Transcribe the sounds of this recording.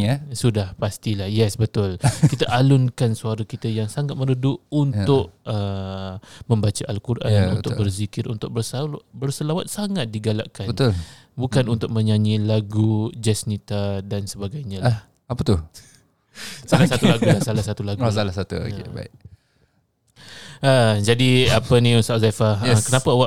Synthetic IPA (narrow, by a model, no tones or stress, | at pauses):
sudahpast̪ilahjɛsbət̪ʊlkit̪əʔalʊnkansuaɾakit̪əjaŋsaŋat̪̚mə̃nudʊʔunt̪ʊʔə | mə̃mbat͡ʃaʔalkurʔa̰nṵnt̪ʊbərzikɪɾʔṵnt̪ʊk̚bərsbərsəlawat̪̚saŋat̪̚diɡalaʔkanbət̪ʊl | bukanunt̪ʊk̚mə̃ɲaɲilaɡud͡ʒɛsnit̪adansəbaɡajɲãla | apət̪ʊ | salasat̪ulaɡulahsalahsat̪ulaɡusalasat̪uo̰kḛba̰ɪʔ | əd͡ʒadiapənĩusaʔzafaəkənapaawa